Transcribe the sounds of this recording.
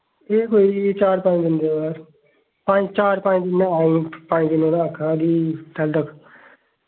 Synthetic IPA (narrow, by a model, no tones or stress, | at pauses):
eːkoːid̪it͡ʃaːɾpãd̪ɪnd̪eːʋaːɾ | pãd͡ʒt͡ʃaːɾpãːd̪ɪnːãːaːĩpãːd̪ɪnõːnãːkʰãːd̪iːt̪ɛld̪əkʰ